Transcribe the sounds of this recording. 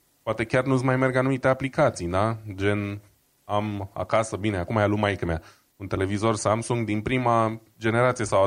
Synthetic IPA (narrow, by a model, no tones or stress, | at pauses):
poat̪e̞kʲarnusmajme̞rɡanumit̪e̞aplikat̪sijd̪ad͡ʒe̞n | ama̰kasəbineakumajalumajkəmea | unt̪e̞le̞vizo̞rsamsuŋɡd̪inpɾima | d͡ʒe̞ne̞ɾat̪sije̞sawa